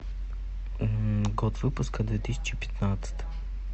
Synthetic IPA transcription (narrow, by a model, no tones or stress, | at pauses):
ɡɔt̪vɨpʊskəd̪vʲet̪isʲt͡ʃɪpʲɪ̥t̪nat̪sə̥t̪